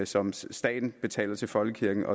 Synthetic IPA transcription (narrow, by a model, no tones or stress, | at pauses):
sɒ̽msd̥ɛ̰ːd̥n̩b̥e̝t͡sʰɛ̰ːlɐt͡sʰe̝lfɒ̽lɡ̥əkʰiɐɡ̥n̩ʔɒ̽